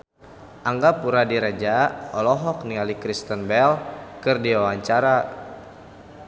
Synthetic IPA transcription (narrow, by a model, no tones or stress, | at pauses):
ʔaŋɡapuɾadiɾad͡ʒaɔlɔɦɔk̚niŋalikɾist̪ənbɛlkɨrdiwawaɲt͡ʃaɾa